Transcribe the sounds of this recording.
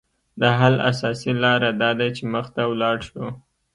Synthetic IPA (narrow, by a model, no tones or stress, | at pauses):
d̪əɦala̰sɑsilɑɾad̪ɑd̪at͡ʃeməxt̪awlɑɽʃo